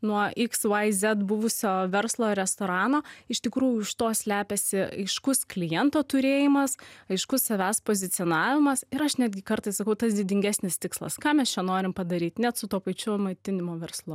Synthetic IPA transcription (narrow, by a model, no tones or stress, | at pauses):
nuɔɪksʋɐɪzʲɛt̪bʊʋʊsʲoːʋʲɛɾslˠoːɾʲɛst̪oːɾɑːnoːɪʃt̪ʲɪkɾuːjʊɪʃt̪oːsʲlʲæːpʲɛsʲɪɐ̰ɪʃkʊsklʲɪjɛnt̪oːt̪ʊɾʲeːjɪmɐsɐɪʃkʊssɐʋʲæːspoːzʲɪtsʲɪoːnɑːʋʲɪmɐsɪɾɐʃnʲæːd̪ʲɡʲɪkɐɾt̪ɐɪssɐkɐʊt̪ɐsd̪ʲɪd̪ʲɪŋʲɡʲæsʲnʲɪst̪ʲɪkslˠɐ̰skɑːmʲɛst͡ʃʲɛnoːɾʲɪmpɐd̪ɐɾʲiːt̪ʲnʲɛt̪sʊt̪oːpɐɪt͡ʃʲʊmɐɪt̪ʲɪnʲɪmoːʋʲɛrslˠʊ